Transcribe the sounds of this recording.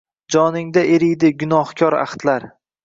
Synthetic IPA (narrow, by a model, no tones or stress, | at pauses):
d͡ʒɒnɪŋd̪aʔeɾɪjd̪ɪɡʊnɒhkʲʰɒɾa̰χt̪laɾ